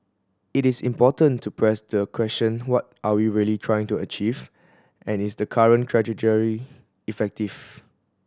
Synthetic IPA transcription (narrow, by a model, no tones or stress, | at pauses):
ɪtɪsḭ̃mpɔtə̃ntʰupʰɹɛsdəkʰwɛst͡ʃə̃nwɔt̚ʔawiɹiəlitʰɹajɪ̃ŋtuət͡ʃiv | ʔɛ̃nɪsdəkʰaɹə̃nkʰɹɛd͡ʒitəɹi | ifɛk̚tiv̥